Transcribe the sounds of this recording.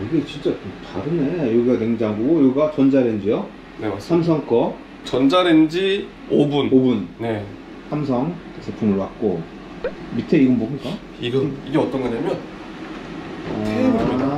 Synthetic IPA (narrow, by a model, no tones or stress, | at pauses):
iɡe̞t͡ɕint͡ɕ͈attaɾɯnejoɡiɡane̞ŋd͡ʑaŋɡoɡojoɡiɡat͡ɕʌnd͡ʑaɾend͡ʑijo | nesʰams̬ʰʌŋk͈ʰʌ | t͡ɕʌnd͡ʑaɾend͡ʑi | obunobunne | sʰams̬ʰʌŋkɯesʰepʰumɯɭwat̚k͈o | mitʰeiɡʌnbomɲik͈a | iɡʌniɡe̞ʌt͈ʌnɡɯɲamjʌn | ae